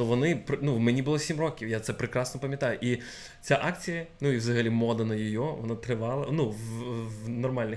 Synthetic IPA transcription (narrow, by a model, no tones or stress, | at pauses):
t̪ɔʋɔnɪpnuwmɛnʲibʊlˠɔsʲimrɔkʲiwjat̪sɛpɾɪkɾɑsnɔpɐmʲjɐt̪ɑjʊʔi | t͡sʲaʔɑkt͡sʲijɐnuiwzɐɦɐlʲimɔd̪ɐnɐjɔjɔʋɔnat̪ɾɪʋɑlˠɐnuʋ | nɔrmɑlʲnɪ